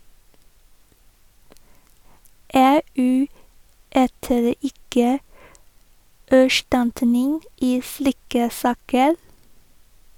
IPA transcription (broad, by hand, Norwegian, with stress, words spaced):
ˈeːˌʔʉː ˈyːtəɾ ˈɪkə æˈʃʈɑntənɪŋ ˈiː ˈsliːkə ˈsɑːkəl